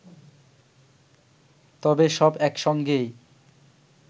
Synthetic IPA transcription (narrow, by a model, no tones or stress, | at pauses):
t̪ɔbeʃɔbɛkʃɔŋɡej